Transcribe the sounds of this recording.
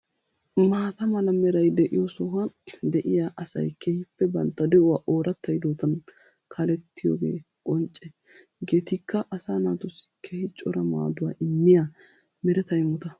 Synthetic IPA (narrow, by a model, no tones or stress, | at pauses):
maːt̪ɐmɐlɐmɛɾɐjd̪ɛʔɪjɔsɔɦɐd̪ɛʔɪjaʔɐsɐ̰jkʰɛhɪpːɛbɐnt̪ːɐd̪ɛʔʊwaːʔoːɾɐt̪ːɐjd̪oːt̪ɐn | kʰalɛt̪ːɪjo̰ːɡḛː | kʼɔnt͡ʃʼːɛ | ɡe̞ːt̪ɪkːɐʔɐsaːnaːt̪ʊsɪ̥kʰehɪt͡ʃʼːɔɾɐma̰ːd̪ʊwa̰ːʔɪmːɪja | mɛɾɛt̪ɐjmʊt̪ɐ